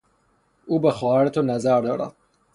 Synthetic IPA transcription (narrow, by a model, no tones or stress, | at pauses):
uːbexɔæɾet̪ʰonæzæɾd̪ɒːɾæ̰d̪̥̚